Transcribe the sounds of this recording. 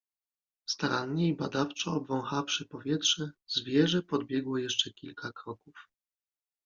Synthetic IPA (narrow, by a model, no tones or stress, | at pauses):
st̪aɾanɲɛibad̪aft͡ʂɔːbvɔ̃w̃xafʂɘpɔvʲjɛt̪ʂɛzvʲjɛʐɛpɔd̪bʲjɛɡwɔjɛʂt͡ʂɛkʲilkʰakɾɔkuf